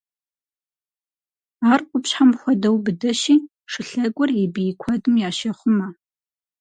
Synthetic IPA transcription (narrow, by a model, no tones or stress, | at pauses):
aːrqʷʼʊpɕħamxʷɔdɐwbɨdɐʃiː | ʂɨɬɐɡʷʼɔribijɪkʷʰɐdɨmjaːʃɐχʷʊmɐ